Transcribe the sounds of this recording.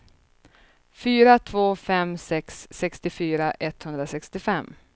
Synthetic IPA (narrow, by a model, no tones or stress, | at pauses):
fyːɾat̪ʰvoːfɛmsɛksːɛkst̪ɪfyːɾaʔɛt̪hɵnd̪ɾasɛkst̪ɪfɛmː